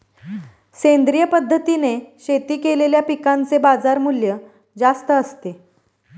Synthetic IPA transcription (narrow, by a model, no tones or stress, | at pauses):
send̪ɾijəpəd̪ʱːət̪ineɕet̪iːkeleljapikant͡sebad͡zaɾmuljə | d͡zast̪əəst̪e